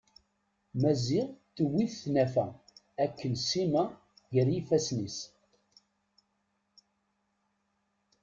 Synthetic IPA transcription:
mæziʁt̪ːəwiθθːnæfæ | ækːənsimæ | ʝəɾjifæsnis

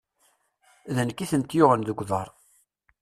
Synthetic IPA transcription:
ðənkːiθənt̪jʊʁənðəɡʷðˤɑɾˤ

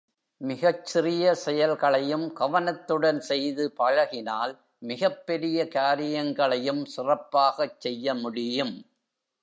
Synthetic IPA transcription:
mɪɣɐt͡ʃt͡ʃːɪrɪjɐsɛjɐlɣɐɭɐjɯmɡɐʋɐnɐt̪ːɯɽɐnsɛjðɯpɐɻɐɣɪnaːl | mɪɣɐpːɛɾɪjɐkaːɾɪjɐŋɡɐɭɐjɯmsɪrɐpːaːɣɐt͡ʃːɛjːɐmʊɽɪjɯm

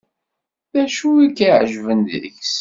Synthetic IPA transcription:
ðæʃuikːiʕəʒvənd̪ðə̰çs

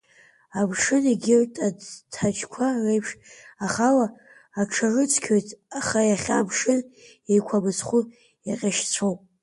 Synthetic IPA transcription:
abʰʂɨniɡʲɪrtʼatʰat͡ʃʰʼkʷʰarejpʰʂaχalaː | ʈ͡ʂʰarɨt͡sʰkʲʰojtʼaχajaχʲaːbʰʂɨn | ejkʷʰabɨsʰχʷu | jaqʲʼaʃt͡sʷʰowpʼ

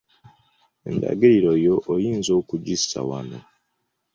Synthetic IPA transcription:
enda̰ɡeɾiɾojo̞ʔːjiːnzo̞ːkuɟisa̰wano̰

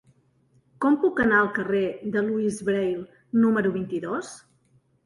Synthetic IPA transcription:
kɔmpukənaəlˠkəred̪əluizβɾejlˠ | numəɾuβ̞int̪iðos

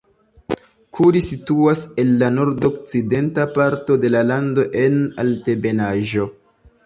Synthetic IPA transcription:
kʰuɾisituase̞nːano̞ɾdok̚t͡side̞ntapaɾto̞de̞lalando̞ʔe̞na̰lte̞be̞naʒo̞

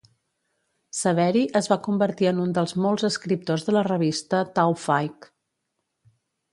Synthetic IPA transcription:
səβ̞ɛɾiʔəzβakumbəɾt̪iənund̪əlˠzmɔlˠzəskɾip̚t̪ozðələrəβ̞ist̪ət̪awfajk

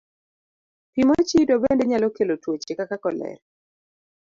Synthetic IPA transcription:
pimot͡ʃidobendeɲalɔkelotwot͡ʃekakakɔlɛ̰ɾ

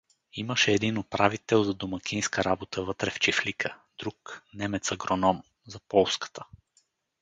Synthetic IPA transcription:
iməʃɛːd̪inopɾavit̪ɛlˠzɐd̪omɐkʲinskəɾabot̪əvɤt̪ɾɛft͡ʃiflikʰəd̪ɾuknɛmɛt̪səɡɾonɔm | zɐpɔlˠskə̥t̪ə̥

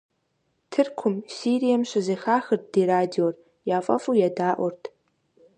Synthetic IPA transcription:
tʰɨrkʷʰʊmsiɾijamɕʷɐzejxaːxɨrt̚ʰd̥iːɾaːdior | jaːfʼɐfʼujadaːʔʷʊrtʰ

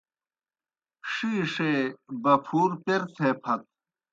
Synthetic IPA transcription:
ʂiːʂebɐpʰuːɾpeɾt̪ʰepʰɐt̪̚

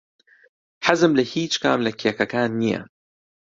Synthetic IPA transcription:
ħazɨmlɐhiːt͡ʃka̰ːmlɐkʰjɛkɐkaːnːijɐ̰

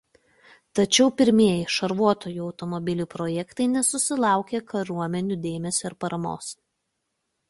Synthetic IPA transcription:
t̪ɐt͡ʃʲɛʊpʲɪɾʲmʲiɛjɪʃɐɾʋuɔt̪oːjuːɒʊt̪ɔmɔbʲɪlʲuːpɾɔjɛkt̪ɐɪnʲɛsʊsʲɪlˠɑˑʊkʲekɐɾuɔmʲɛnʲud̪ʲeːmʲɛsʲoːɪɾpɐɾɐmo̰ːs

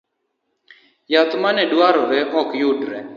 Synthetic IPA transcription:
jat̪manɛdwaɾɔɾɛʔɔkjʊdɾɛ

